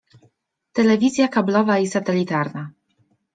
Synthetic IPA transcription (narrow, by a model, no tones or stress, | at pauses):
t̪ɛlɛvʲizʲjakablɔvaisat̪ɛlʲit̪aɾna